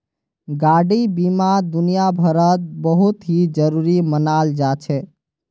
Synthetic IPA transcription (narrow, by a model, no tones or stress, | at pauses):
ɡaɽibimad̪unijabʱəɾət̪̚bəɦut̪ɦid͡ʒəɾuɾimənald͡ʒat͡ʃʰɛ